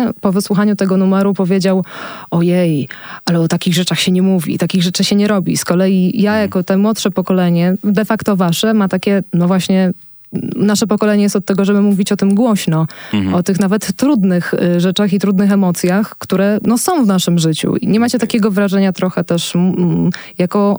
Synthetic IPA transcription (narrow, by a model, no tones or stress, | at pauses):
pɔvɘswuxaɲut̪ɛɡɔnumɛɾupɔvʲjed͡ʑawɔjɛjalɛɔt̪akʲiɣʐɛt͡ʂaxɕɛɲɛmuvʲḭt̪akʲiɣʐɛt͡ʂɘɕɛɲɛɾɔbʲḭskɔlɛjijajakɔt̪ɛmwɔt̪ʂɛpɔkɔlɛɲɛd̪ɛfakt̪ɔvaʂɛmat̪akʲɛnɔvwaɕɲɛ | naʂɛpɔkɔlɛɲɛjɛst̪ɔt̪tːɛɡɔʐɛbɘmuvʲit͡ɕɔt̪ɘmɡwɔɕnɔɔt̪ɘxnavɛt̪ːɾud̪nɘxʐɛt͡ʂaxit̪ɾud̪nɘxɛmɔt̪sʲjaxkt̪uɾɛnɔsɔ̃w̃vnaʂɘmʐɘt͡ɕṵḭɲɛmat͡ɕɛt̪akʲeɡɔvɾaʐɛɲat̪ɾɔxɛt̪ɛʂm | jakɔ